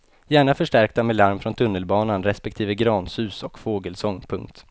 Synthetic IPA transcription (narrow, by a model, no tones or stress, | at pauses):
jæːɳafœʂʈæɾk̚t̪amelaɾmfɾɔnt̪ʰɵnːəlbɑːnanɾɛspɛkt̪ʰiːvəɡɾɑːnsʉ̟ːsɔkfoːɡəlsɔŋːpʰɵŋk̚t̪